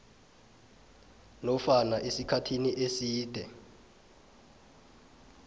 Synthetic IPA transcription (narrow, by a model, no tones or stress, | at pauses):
nɔfanaʔesikʰatʰiniʔesiːd̥ʱɛ